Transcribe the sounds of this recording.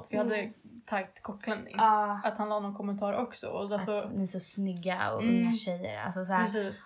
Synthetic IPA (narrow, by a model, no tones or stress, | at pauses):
t̪vɪhad̪ːət̪ʰaɡt̪kʰɔkːlɛnd̪ɪ̰ŋɑːat̪hãnlɑːnɔnkʰɔmːɛnt̪ʰɑːɾɔksɔ̰ɔassɔɛsɔsnʏɡːaɔ̰ɵŋːaʃɛjːə̰ɾa̰lsɔs̬æːɾɛsiːs